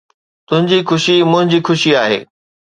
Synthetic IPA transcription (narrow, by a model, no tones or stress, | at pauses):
t̪ʊ̃ɦɪ̃ɲd͡ʑixʊʃimʊ̃ɦɪ̃ɲd͡ʑiːxʊʃiaːɦḛː